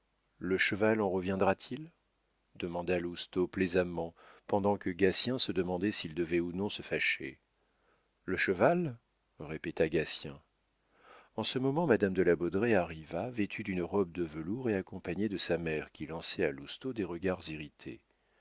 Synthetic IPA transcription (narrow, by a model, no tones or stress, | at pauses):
ləʃəvalɑ̃ʁəvjɛ̃d̪ʁat̪ʰil | d̪əmɑ̃d̪alust̪oplezamɑ̃pɑ̃d̪ɑ̃kəɡasjɛ̃səd̪əmɑ̃d̪ɛsild̪əvɛunɔ̃səfaʃḛ | ləʃəval | ʁepet̪aɡasjɛ̰̃ | ɑ̃səmɔmɑ̃mad̪amd̪əlabɔd̪ʁeaʁivavet̪ʰyd̪ynəʁɔb̚d̪əvəluʁeakɔ̃paɲed̪əsamɛʁkʲilɑ̃sɛalust̪od̪eʁəɡaʁziʁit̪ʰḛ